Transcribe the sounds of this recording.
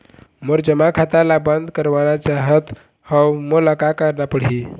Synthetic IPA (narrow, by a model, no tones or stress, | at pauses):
məɾd͡ʒəmakʰat̪alabənd̪ʱkəɾʋanat͡ʃaɦət̪ | həwmoləkakəɾnapəɽ̤ɦi